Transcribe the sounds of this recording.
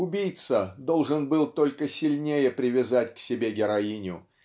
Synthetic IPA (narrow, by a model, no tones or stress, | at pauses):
ʊbʲijt̪səd̪o̞lˠʐɨnbɨlˠt̪o̞lʲkəsʲɪlʲnʲejəpɾʲɪvʲɪzatʲksʲɪbʲe̞ɡʲɪɾɐinʲʊ